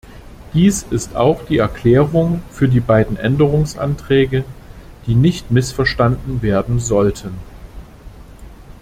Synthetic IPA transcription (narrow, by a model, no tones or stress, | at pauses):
d̥iːsɪsta̰ʊxd̥iːɛɐkl̥ɛːʁʊŋfyːɐdiːbaɪdn̩ʔɛndəʁ̞ʊŋsʔa̰ntʁ̥ɛːɡə | d̥iːnɪçtmɪsfɛɐʃtandn̩veːɐdn̩zɔltʰən